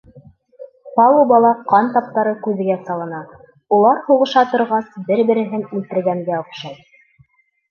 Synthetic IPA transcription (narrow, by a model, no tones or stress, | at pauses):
pɑlˠobɑlˠɑqɑnt̪ɑp̚t̪ɑɾɤkʉðɘ̆ɡæsɑlˠɤ̆nɑ | ulˠɑɾhuʁɤ̆ʃɑt̪ŏɾʁɑsbɘɾbɘ̆ɾɘ̆ɦɘnilt̪ɘ̆ɾɡæŋɡæŏqʃɑj